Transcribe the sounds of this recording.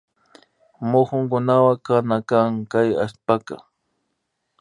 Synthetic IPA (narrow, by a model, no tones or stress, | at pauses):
mʊxʊŋkʊnawakanakaŋkaja̰spaka̰